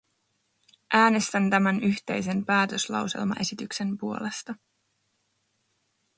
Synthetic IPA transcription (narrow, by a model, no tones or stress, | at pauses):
ʔæːne̞st̪ænt̪æmænyçt̪e̞jse̞npæːt̪øslɑ̰wse̞̰lmɑ̰ʔe̞sit̪ykse̞mpuo̞le̞st̪ɑ